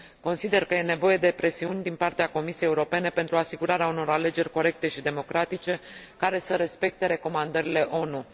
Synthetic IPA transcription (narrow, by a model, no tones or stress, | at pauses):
ko̞nsid̪e̞rkəje̞ne̞vo̞je̞d̪e̞pɾe̞siunʲd̪inpart̪eako̞misijejeuɾo̞pe̞ne̞pent̪ɾuasiɡuɾaɾeauno̞ɾale̞d͡ʒe̞rʲko̞ɾe̞k̚t̪e̞ʃid̪e̞mo̞kɾat̪it͡ʃe̞kaɾe̞səɾe̞spe̞k̚t̪e̞ɾe̞ko̞mand̪əɾile̞ʔo̞nu